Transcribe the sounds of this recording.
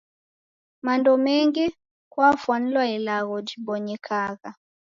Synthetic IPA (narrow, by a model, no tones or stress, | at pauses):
mandɔmɛŋɡɛ | kwafwan̩lwaɛlaɣɔd͡ʒibɔɲɛkʰaɣa